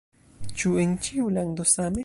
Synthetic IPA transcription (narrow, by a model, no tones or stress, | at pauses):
t͡ʃuent͡ʃiuland̪osame